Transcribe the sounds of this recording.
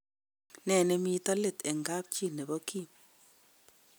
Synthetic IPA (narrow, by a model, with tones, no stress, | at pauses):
nɛ˨nɛ˦mi˦ta˦le˨t̪ɛ˨ŋɡa˦p̚t͡ʃi˦˨ne˨βo˦ki˦